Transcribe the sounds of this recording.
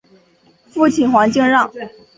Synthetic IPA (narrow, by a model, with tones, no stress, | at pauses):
fu˥˩t͡ɕʰi˨˩nxwa˧˥ŋt͡ɕi˥˧ŋɻɑ˥˩ŋ